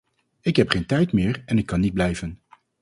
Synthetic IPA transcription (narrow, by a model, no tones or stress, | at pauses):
ɪkɦɛpχeːjntɛjtmɪːɹɛnɪkːɑnːid̚blɛjvən